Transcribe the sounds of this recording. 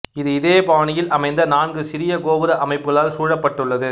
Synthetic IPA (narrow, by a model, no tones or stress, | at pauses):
ɪðɯɪðeːpaːɳɪjɪlʔɐmɐɪnd̪ɐnaːnɡɯsɪɾɪjɐkoːʋɯɾɐʔɐmɐɪpːɯɣɐɭaːlsuːɻɐpːɐʈːɯɭːɐðɯ